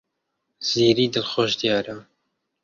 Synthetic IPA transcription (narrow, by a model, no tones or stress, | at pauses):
z̥iːɾiːd̪ɨlxoʃd̪ijɑːɾa